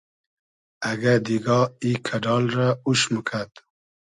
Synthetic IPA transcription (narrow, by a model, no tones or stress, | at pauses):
aɡad̪iɡɑikʰaɖɑlɾauʃməkʰat̪